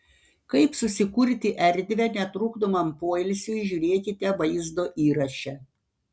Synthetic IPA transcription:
kɐɪpsʊsʲɪkʊɾʲt̪ʲɪʔɛɾʲˑd̪ʲʋʲɛnʲɛt̪ɾuːɡd̪omɐmpoɔɪlʲsʲujʒʲuːɾʲeːkʲɪt̪ʲɛʋɐɪzd̪oːʔiːɾɐʃʲɛ

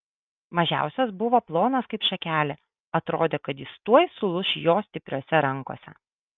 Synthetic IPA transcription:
mɐʒʲæ̰ˑʊsʲɛsbʊʋoːplˠoːnɐskɐɪpʃɐkʲæːlʲɛ | ɐt̪ɾoːd̪ʲeːkɐt̪jɪst̪uɔjsʊlˠʊʃʲjoːsʲt̪ʲɪpʲɾʲoːsʲɛɾɐŋko̰sʲɛ̰

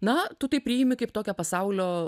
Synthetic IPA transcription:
nɐt̪ʊt̪ɐɪpʲɾʲiːjɪmʲɪkɐɪpt̪oːkʲɛpɐsɐʊlʲoː

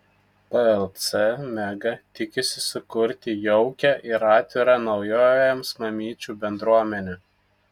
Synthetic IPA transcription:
pɛɛlˠt̪sɛmʲæɡɐt̪ʲɪkʲɪsʲɪsʊkʊɾʲt̪ʲɪjɔʊkʲɛʔɪɾɑːt̪ʲʋʲɪɾɑnɒʊjoːjɛmsmɐmʲiːt͡ʃʲuːbʲɛnd̪ɾuɔmʲɛnʲɛ

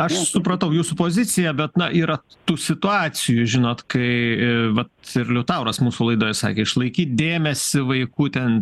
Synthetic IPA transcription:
ɐʃsʊpɾɐt̪ɐʊjuːsupoːzʲɪt̪t͡s̪ʲɪjɛbʲɛt̪nɐʔiːɾɐt̪uːsʲɪt̪ʊɑːsʲɪjʊʒʲɪnoːt̪kɐɪʋɐt̪ɪɾlʲʊt̪ɑʊɾɐsmuːsʊlˠɐɪd̪oːjɛsɑ̰ːkʲeːɪʃlˠɐɪkʲiːt̪̚d̪ʲeːmʲɛsʲɪʋɐɪkuːt̪ʲɛn

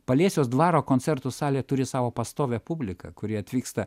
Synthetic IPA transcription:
pɐlʲiɛsʲoːsd̪ʋɑːɾoːkoːnʲsʲɛɾt̪ʊsɑːlʲeːt̪ʊɾʲɪsɑːʋoːpɐst̪oːʋʲɛpʊbʲlʲɪkɐ̰kʊɾʲɪɐt̪ʲʋʲiːkst̪ɐ

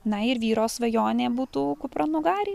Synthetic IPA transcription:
nɐɪɾʋʲiːɾoːsʋɐjoːnʲeːbuːt̪uːkʊpɾɐnʊɡɑːɾʲɪ

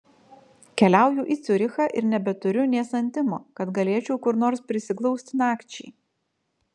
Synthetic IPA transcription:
kʲɛlʲæˑʊjʊʔiːt̪sʲʊɾʲɪxɑʔɪ̰ɾnʲɛbʲɛt̪ʊɾʲʊnʲeːsɐnʲt̪ʲɪmo̰ːkɐt̪ɡɐlʲeːt͡ʃʲɛʊkʊɾnoːɾspʲɾʲɪsʲɪklˠɔʊsʲt̪ʲnɑːkt͡ʃʲɛɪ

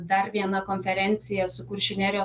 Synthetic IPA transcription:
d̪ɐɾʋʲiɛnɐkoːnʲfʲɛɾʲɛnʲt̪sʲɪjɛsʊkʊɾʲʃʲɪnʲɛɾʲoː

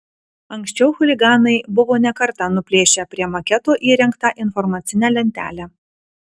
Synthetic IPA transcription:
ɐŋʲksʲt͡ʃʲɛʊxʊlʲɪɡɑːnɐɪbʊʋoːnʲɛkɐɾt̪ɐnʊpʲlʲeːʃʲɛpʲɾʲiɛmɐkʲɛt̪oːʔiːɾʲɛŋkt̪ɑʔɪnfɔɾmɑt̪sʲɪnʲɛlʲɛnʲt̪ʲæ̰ːlʲæ

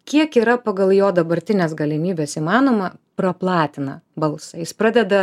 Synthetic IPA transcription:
kʲiɛkiːɾɐpɐɡɐlˠjoːd̪ɐbɐɾʲt̪ʲɪnʲeːs̬ɡɐlʲɪmʲiːbʲeːsimɑːnoːmɐpɾɐplˠɑːt̪ʲɪnɐbɐlˠsɐjɪspɾɑːd̪ʲɛd̪ɐ

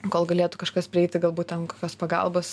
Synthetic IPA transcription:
koːlˠɡɐlʲeːt̪ʊkɐʃkɐspʲɾʲɪɛɪtʲɪɡɐlˠbuːt̪ʲɛnkoːkʲoːspɐɡɐ̰lˠboːs

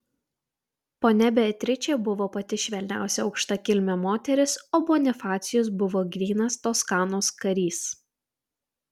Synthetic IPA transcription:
poːnʲɛbʲɛt̪ʲɾʲɪt͡ʃʲeːbʊʋoːpɐt̪ʲɪʃʲʋʲɛlʲnʲæ̰ˑʊsʲɛɒʊkʃt̪ɐkʲɪlʲmʲɛmoːt̪ʲɛɾʲɪsoːboːnʲɪfɑːt̪sʲɪjoːs̬bʊʋoːɡʲʋʲiːnɐst̪oːskɑːnoːskɐɾʲiːs

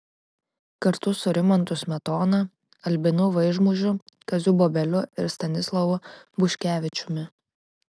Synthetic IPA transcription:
kɐɾt̪ʊsʊɾʲɪmɐnt̪ʊsmʲɛt̪ɔːnɐ | ɐlʲbʲɪnʊʋɐɪʒmʊʒʲʊkɐzʲuːboːbʲɛlʲʊɪɾst̪ɐnʲɪslˠɐʋʊbʊʃʲkʲæːʋʲɪt͡ʃʲʊmʲɪ

